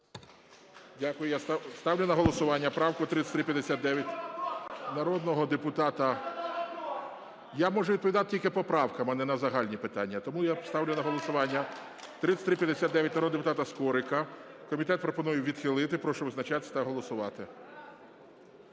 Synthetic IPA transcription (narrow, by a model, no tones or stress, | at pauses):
dʲakʊjʊjast̪st̪ɑwlʲʊnɐɦɔlˠɔsʊʋɑnʲːɐpɾɑwkʊt̪ɾɪt̪sʲt̪ɾɪpʲjɐd̪esʲat̪̚d̪ɛʋʲjɐt̚ʲ | nɐɾɔd̪nɔɦɔd̪epʊt̪ɑt̪ɐ | jamɔʒɛid̪̚pɔʋʲid̪ɑt̪ɪtʲilʲkɪpɔpɾɑwkɐmɐnɛnɐzɐɦɑlʲnʲipɪt̪ɑnʲːɐt̪ɔmujast̪ɑwlʲʊnɐɦɔlˠɔsʊʋɑnʲːɐ | t̪ɾɪsʲt̪ɾɪpʲjɐd̪esʲat̪d̪ɛʋʲjɐt̚ʲnɐɾɔd̪d̪epʊt̪ɑt̪ɐskɔɾɪkɐkɔmʲit̪ɛt̪̚pɾɔpɔnujʊʋʲid̪̥xɪlˠɪt̪ɪpɾɔʃɔʋɪznɐt͡ʃat̪ɪ̥sʲɐt̪ɐɦɔlˠɔsʊʋɑt̪ɪ